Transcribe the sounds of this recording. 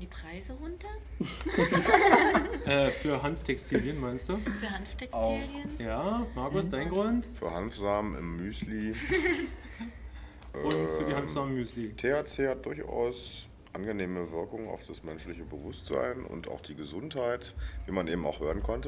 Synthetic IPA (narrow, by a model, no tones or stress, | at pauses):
dipʁ̥aɪzəʁʊntɐ | ʔɛːfyːɐɦantftʰɛkstʰiːljənmaɪnstd̥uːfyːɐhanftʰɛksatʊxljənjaːmaɐkʊsd̥aɪnɡʁʊntfyːɐhanfz̥aːməɪ̰mːyːsliː | ʔʔʊnfːɐdiːhanz̥aːmmyːsliːtʰeat͡seːhad̥ʊɐçʔa̰ʊs | ʔanɡəneːməvɪɐkʊŋəna̰ʊfd̥asmɛnʃlɪçəbəvʊstz̥a̰ɪnʊ̰ntʔa̰ʊxd̥iːɡəzʊnthaɪtviːmanʔeːbm̩a̰ʊxhøːʁənkʰɔntə